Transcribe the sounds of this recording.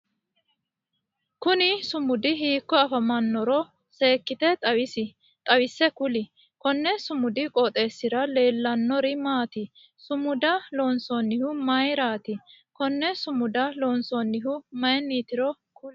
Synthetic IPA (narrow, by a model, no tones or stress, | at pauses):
kʊnɪsʊmʊd̪ɪɦiːkːɔɐfɐmɐnːɔɾɔ | se̞ːkːɪt̪ɛt̪ʼɐwɪsɪ | t̪ʼɐwɪsːɛkʊlɪ | kɔnːɛsʊmʊd̪ɪkʼɔt̪ʼe̞ːsːɪɾɐle̞ːlːɐnːɔɾɪmaːt̪ɪ | sʊmʊd̪ɐloːnsɔnːɪhʊmɐjɾaːt̪ɪkɔnːɛsʊmʊd̪ɐloːnsɔnːɪɦʊmɐjnːiːt̪ɪɾɔ | kʊl